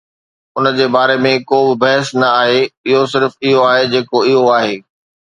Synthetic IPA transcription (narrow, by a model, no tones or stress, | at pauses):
ʊnəd͡ʑeːbaːɾemẽkoːbɪbɐɦəsnɐaːɦeɪɦosɪɾfɪɦoaːɦed͡ʑeːkoɪɦoaːɦeː